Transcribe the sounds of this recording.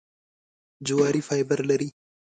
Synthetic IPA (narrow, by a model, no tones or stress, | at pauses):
d͡ʒuaːɾiːfaːɪbəɾlɐɾiː